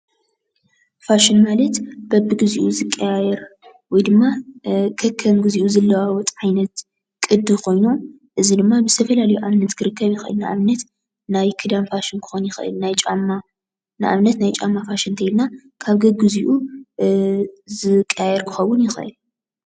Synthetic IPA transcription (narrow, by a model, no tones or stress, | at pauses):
faʃɪnmalɐt̪b̥ɐbːɨɡɨziʔuzɨkʼːɐjajɛɾ | wɔjd̪ɨmːakʰɐkʰːɐmɡɨziʔuzɐlːɐwawɔt̪ʼʕajnɐt̪ | kʼɨd̪ːɨkʰo̞jnu | ʔɨzid̪ɨmːabɨst̪ʰɐfɐlalɐjuʔamnɐt̪kʰɨɾɨkʰːɐβjɪxʔɨ̰lnaʔa̰βnɐt̪ | najkʰɨd̪amfaʃɪnkʰɨ̥xonjɪxʔɨ̰lnajt͡ʃʼamːa | nɨʔa̰βnɐt̪najt͡ʃʼamːafaʃɨnt̪ʰɐjlna | kʰaβɡɐɡɨziʔu | zɨkʼːɐjajɛɾkʰɨ̥xɐwːʊnjɪxʔɨ̰l